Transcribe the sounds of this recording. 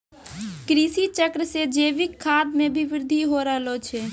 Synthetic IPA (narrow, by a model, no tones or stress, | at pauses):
kɾisit͡ʃəkɾəsed͡ʒeːʋɪkʰːad̪mẽbʱiʋɪɾd̪ʱiɦoɾəɦlot͡ʃʰɛ